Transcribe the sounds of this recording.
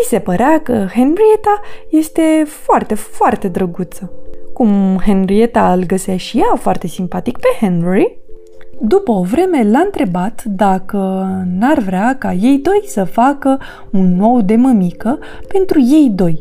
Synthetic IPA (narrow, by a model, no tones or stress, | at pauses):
vise̞pəɾeakəhenrie̞t̪aje̞st̪e̞foart̪e̞foart̪e̞d̪ɾəɡut̪səkumhenɾie̞t̪aɨlɡəsaʃijafoart̪e̞simpat̪ik̚pe̞henɾuɾi | d̪upəovɾe̞me̞laɨnt̪ɾe̞bat̪d̪akənarvɾeakaje̞jd̪o̞jsəfakə | unːo̞wd̪e̞məmikə | pe̞nt̪ɾuje̞jd̪o̞j